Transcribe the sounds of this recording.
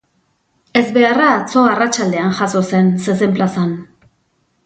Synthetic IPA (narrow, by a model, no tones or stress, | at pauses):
e̞zβe̞araːt͡so̞arat͡ʃald̪e̞anʝaso̞se̞nses̬emplasan